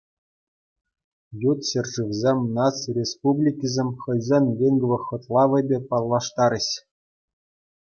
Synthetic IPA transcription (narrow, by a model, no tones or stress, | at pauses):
jut̪ɕɘ̆rʐɯʋʲzʲemʲnɑsrʲespublʲikʲizʲemʲχɤ̆jzʲemʲvʲeŋɡ̆ʋɤ̆χɤ̆t̪lˠɑʋɤ̆bʲepɑlˠːɑʂt̪ɑɾʲɘ̆ɕ